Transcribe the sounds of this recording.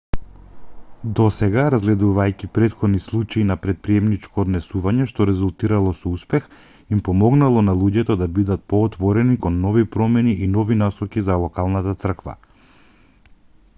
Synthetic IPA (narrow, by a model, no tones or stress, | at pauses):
d̪ɔsɛɡaɾazɡlɛd̪uvajcipɾɛt̪xɔd̪nislˠut͡ʃainapɾɛt̪̚pɾiɛmnit͡ʃkɔːd̪nɛsuvaɲɛʃt̪ɔɾɛzulˠt̪iɾalˠɔsɔuspɛx | impɔmɔɡnalˠɔnalˠuɟɛt̪ɔd̪abid̪at̪̚pɔːt̪vɔɾɛnikɔnːɔvipɾɔmɛniʔinɔvinasɔkizalˠɔkalˠnat̪at̪sr̩kva̰